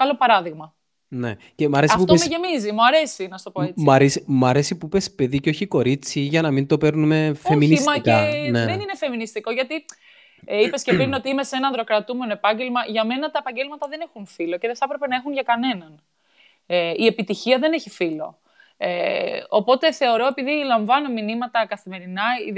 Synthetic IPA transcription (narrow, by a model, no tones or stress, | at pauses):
kɐlo̞pɐɾɐðiɣmɐ | ne | cemɐɾesiɐpftoesmeʝe̞mizimuɐɾe̞sinɐst̪o̞poeiɐɾesimɐɾe̞sipuipespe̞ðiceo̞çiko̞ɾit͡siʝɐnɐmint̪o̞pe̞ɾnume̞feminismɐckɐneðeninefe̞minist̪iko̞ʝɐt̪i | ipe̞scepɾino̞t̪iime̞se̞nɐnðɾo̞kɾɐt̪ume̞no̞epɐɲɟe̞lmɐʝɐme̞nɐt̪ɐepɐɲɟelmɐt̪ɐðe̞nexunfilo̞ce̞ðeθɐpɾe̞pe̞nɐexunʝɐkɐne̞nɐn | ie̞pit̪içiɐðe̞ne̞çifilo̞̰ | eopo̞t̪e̞θe̞o̞ɾo̞e̞piðilɐɱvɐno̞minimɐt̪ɐkɐθime̞ɾinɐi